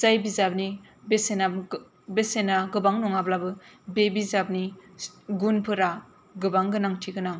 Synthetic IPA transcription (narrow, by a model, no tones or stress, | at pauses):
zajbizab̚ni | besena | besenaɡɯbaŋnɔŋablabɯbebizab̚ni | ɡunpʰɯɾa | ɡɯbaŋɡɯnaŋtʰiɡɯnaŋ